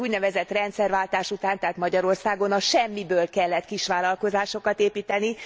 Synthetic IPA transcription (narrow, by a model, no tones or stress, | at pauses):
uːɟnɛvɛzɛt̪rɛnt̪sɛrʋaːlt̪aːʃut̪aːnt̪aːt̪mɒɟɒɾo̞rsaːɡo̞nɒʃɛmːibøːlkɛlːɛt̪kiʃʋaːlɒlko̞zaːʃo̞kɒt̪eːpiːt̪ɛni